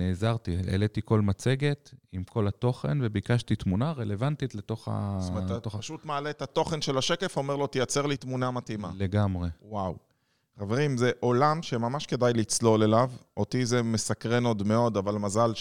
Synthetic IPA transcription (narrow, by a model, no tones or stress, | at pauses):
neːzaʁt̪iḛlet̪iko̞lmat͡se̞ɡe̞t̪imkʰo̞lat̪o̞χe̞̰nve̞bikaʃtit̪munaʁe̞le̞vant̪it̪le̞t̪o̞χa̰oomt̪opʃut̪maːletat̪o̞χe̞nʃe̞laʃe̞ke̞fo̞meʁlo̞t̪ijat͡se̞ʁlit̪munamat̪ima̰le̞ɡamʁe̞waw | χave̞ʁimzeʔo̞lamʃemamaʃke̞dajlit͡slo̞le̞lavo̞t̪izemːesakʁe̞no̞d̪meo̞d̪avalmazal